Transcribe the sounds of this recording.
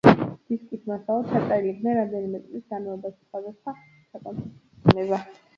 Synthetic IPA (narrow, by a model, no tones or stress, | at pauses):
d̪̥iskʼismasalˠɔt̪ʰsʰat̪sʼailiːq̪ʼnɛnɾamd̪ɛnimɛt̪sʼlisɡanmalɔbaʃiχazasʰa | sakʼɔnsʰi | nɛba